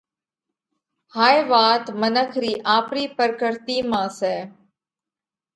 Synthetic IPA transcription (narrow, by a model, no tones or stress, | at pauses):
haːjʋaːt̪mənəkʰɾiːʔaːpɾiːpəɾkəɾt̪iːmãːsɛː